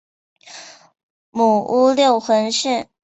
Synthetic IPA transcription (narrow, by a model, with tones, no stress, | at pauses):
mu˨˩u˥ljo˥˩ʊxwə˧˥nʂi˥˩